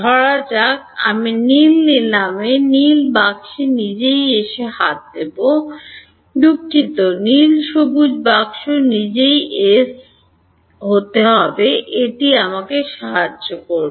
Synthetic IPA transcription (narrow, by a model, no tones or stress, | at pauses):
dʱɔɾat͡ɕaka̰minilnilamenilbakʃinid͡ʑejeʃehat̪̚d̪ebo | d̪ukʰːit̪onilʃobud͡ʑbakʃonid͡ʑejes | ɦot̪eɦɔbeʔeʈiamakeʃaɦad͡ʑːokoɾbo